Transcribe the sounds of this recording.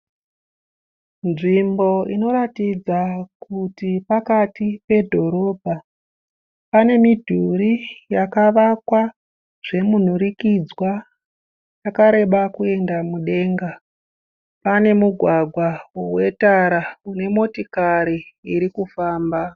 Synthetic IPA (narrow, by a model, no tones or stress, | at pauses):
nʐimbo̞ino̞ɾatid͡zakutipakatipe̞dʱo̞ɾo̞ːbʱa | pane̞midʱuɾijakaʋakwa | ʐ̥e̞mun̤uɾikid͡zwa | jakaɾe̞ɓakue̞ndamuɗe̞ːŋɡa | pane̞muɡʱwaɡʱwaowe̞taɾaune̞mo̞tikaɾiːɾikufaːmba